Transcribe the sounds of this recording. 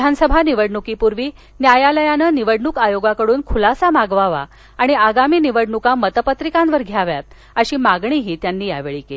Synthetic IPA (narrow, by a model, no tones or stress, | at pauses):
d̪ʱansəbʱaniʋəɽɳukiːpuɾʋiː | njajaləjanəːniʋəɽɳuːkajoɡakəɽuːnkʰulasamaɡʋaʋa̰ | aɽ̃iaɡamiːniʋəɽɳukamət̪əpət̪ɾikãnʋəɾɡʱjaʋja̰t̪̚ | əɕiːmaɡɳiɦiːt̪janːiːja̰ʋeɭiːkei